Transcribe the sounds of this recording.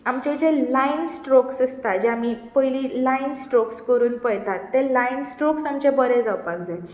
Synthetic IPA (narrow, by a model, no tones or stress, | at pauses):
amt͡ɕed͡ʑelainsʈɾoksəst̪ad͡ʑeamipəjlilainsʈɾokskəɾuːnpəjt̪at̪ːẽlainsʈɾoksamt͡ɕebəɾed͡zawpakd͡zae